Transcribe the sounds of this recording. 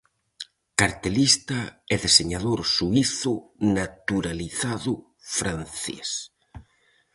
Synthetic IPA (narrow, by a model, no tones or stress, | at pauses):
kaɾt̪elist̪ɐɛðeseɲaðoɾsuiθʊnat̪uɾaliθaðʊ | fɾanθḛs